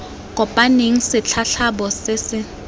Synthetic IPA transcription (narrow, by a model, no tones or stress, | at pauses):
kʼɔpʼaneŋ̩sɪt͡ɬʰaɬabɔsɪsɪ